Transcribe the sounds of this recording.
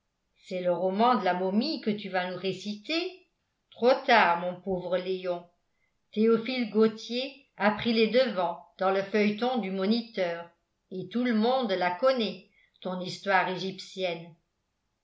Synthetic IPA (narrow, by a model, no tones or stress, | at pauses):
sɛləʁɔmɑ̃d̪əlamɔmikət̪yvanuʁesit̪e | t̪χot̪aːʁmɔ̃povʁəleɔ̃ | t̪eɔfilɡot̪je | apχilɛd̪əvɑ̃d̪̥ɑ̃ləfœjt̪ɔ̃d̪ymɔnit̪œːʁ | et̪uləmɔ̃d̪lakɔnɛ | t̪ɔ̃nist̪waːʁeʒipsjɛn